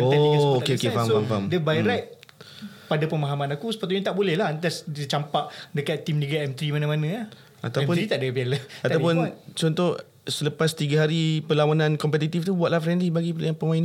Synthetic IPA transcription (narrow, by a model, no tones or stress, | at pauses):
oiɡasokeokefamamfamdəbajɾɛʔ̪̚ | padapəmaɦamãnakusə̥pat̪uʔjãŋt̪aʔbolɛhlat̪asdət͡ʃampaʔdəkat̪ːimniɡaɛmt̪ɾimanãmanãah | at̪awɛmpʊɾit̪aʔdəbialaat̪awpʊnt͡ʃɔnt̪ɔh | sələpast̪iɡaɦaɾipəlawanãnkɔmpɛt̪̬it̪ift̪ubuat̪ʔ̚lahfɾɛndlibaɡijaŋpəmaina